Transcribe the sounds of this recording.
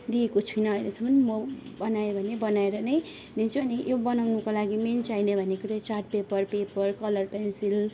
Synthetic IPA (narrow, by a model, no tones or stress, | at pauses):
d̪iekot͡sʰujnʌːjlesʌmbʌnimʌbʌnajebʱʌnebʌnaeɾʌnʌj | ment͡suʌnijobʌnawnukalaɡiment͡sajnebʱʌnekot̪ʌt͡sarʈ̚pepʌrpepʌrkʌlʌrpensil